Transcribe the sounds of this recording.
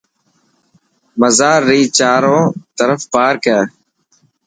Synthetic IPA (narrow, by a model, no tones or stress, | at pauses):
məzaːɾːiːt͡ʃaːɾõːt̪əɾəfpaːɾkɛː